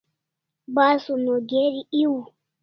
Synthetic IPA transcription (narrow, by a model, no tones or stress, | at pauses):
basunɔɡeɾiiwu